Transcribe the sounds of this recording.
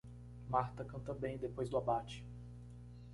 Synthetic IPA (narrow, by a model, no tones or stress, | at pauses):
maɾt̪ɐkɐ̃nt̪ɐbẽj̃d̪epojzd̪ʊabat͡ʃɪ̥